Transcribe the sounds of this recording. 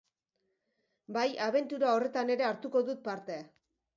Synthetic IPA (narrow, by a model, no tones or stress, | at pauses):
bajaβ̞e̞nt̪uɾao̞re̞t̪ane̞ɾe̞aɾt̪uko̞ðut̪̚paɾt̪e̞a